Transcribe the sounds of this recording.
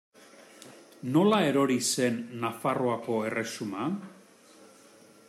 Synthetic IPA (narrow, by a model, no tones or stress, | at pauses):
no̞lae̞ɾo̞ɾise̞nːafaroako̞e̞re̞suma